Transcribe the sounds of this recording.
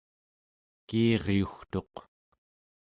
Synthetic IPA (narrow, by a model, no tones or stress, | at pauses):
kiːʁjuxt̪o̞q